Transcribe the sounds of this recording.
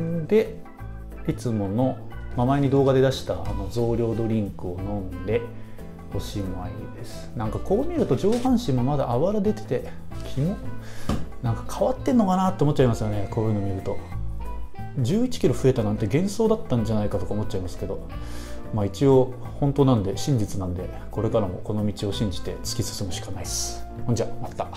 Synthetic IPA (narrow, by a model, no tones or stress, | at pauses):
d̪e̞ | it͡sɨmo̞no̞ | mamaeɲ̟id̪o̞ːɡad̪e̞d̪aɕi̥t̪aano̞zo̞ːɾʲo̞ːd̪o̞ɾʲĩŋkɯ̟o̞nõ̞nd̪e̞ | ho̞ɕiːmoa̰iid̪e̞sɨ̥nãŋkako̞ːmʲiɾɯ̟t̪o̞d͡ʑo̞ːhãɰ̃ɕĩmːo̞mad̪a̰ʔaβaɾad̪e̞t̪e̞̥t̪e̞kʲʰimo | nãŋkḁkʰaβat̪ːẽ̞nːo̞kanat̪ːeomot̚ːt͡ɕːaimasɨjoneko̞ːjɯ̟ːno̞miɾɯ̟t̪o̞ | d͡ʑɨːit͡ɕi̥kʲiɾo̞ɸɯ̟e̞t̪anãnt̪e̞ɡẽ̞ɰ̃so̞ːd̪at̪ːãɲ̟d͡ʑanaikat̪o̞kaomo̞t̪ːt͡ɕaimasɨ̥ke̞d̪o̞ | mait͡ɕio̞ | hõ̞nt̪onanod̪e̞ɕĩɲ̟d͡ʑit͡sɨnãnod̪e̞ | ko̞ɾe̞kaɾamo̞̰ko̞no̞mʲit͡ɕio̞ɕĩɲ̟d͡ʑi̥t̪e̞̰t͡sɨ̥kʲisɨ̥sɨmoɕi̥kanaisɨ̥hõɲd͡ʑiamat̪ːa